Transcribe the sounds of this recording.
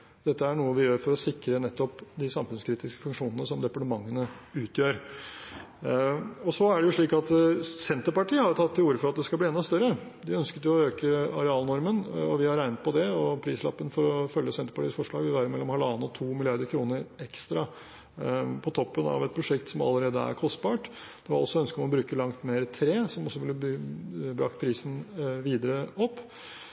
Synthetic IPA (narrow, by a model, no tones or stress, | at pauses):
d̪̥ɛt̪ːəæɳuːəʋɪjøːɾfɔɾɔsɪkɾənɛt̪ːɔpd̪ɪsɑmfʉnskʰɾiːt̪ɪskə̥fʉŋkʂuːnənəsɔmd̪ɛpɑʈəmɑŋːənəʉːt̪jøːɾ | ɔsɔæɖɛjʊʂɭiːkɑt̪sɛnt̪əɾpɑʈiːəhɑɾjʊt̪ʰɑt̪ʰːɪluːɾəfɔɾɑt̪̚d̪ɛskɑlbliɛnɑst̪œɾə | d̪ɪœnskət̪jʊɔøːkəɑɾɛɑːlnɔɾmənɔʋɪhɑɾæɪnət̪̚pʰɔd̪ɛɔpʰɾiːslɑ̰pːənfɔɾɔfœljəsɛnt̪ə̥ɾpɑʈiːəsfɔʂɭɑ̰ːɡʋɪlʋæːɾəɾmɛlːɔmhɑlɑːnəɔt̪ʰuːmɪlɪɑɾd̪əɾkʰɾuːnəɾɛkst̪ɾɑ | pʰɔt̪ʰɔpːənɑ̰ʋɛt̪̚pʰɾʊʂɛkt̪sɔmɑ̰lːəɾeːd̪əæ̰ɾkʰɔst̪̚bɑːʈ | d̪̥ɛʋɑ̰ɾɔ̰sːɔœnskəɔmɔbɾʉːkəlɑŋt̪meːɾət̪ʰɾeːsɔmɔsːɔʋɪlːə | bɾɑ̰kt̪pʰɾiːsən̩ʋiːd̪əɾəɔpː